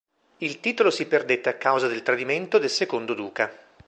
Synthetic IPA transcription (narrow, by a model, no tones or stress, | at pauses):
ilt̪iːt̪olosiperd̪et̪ːeakːawzad̪elt̪ɾad̪iment̪od̪elsekond̪od̪uːka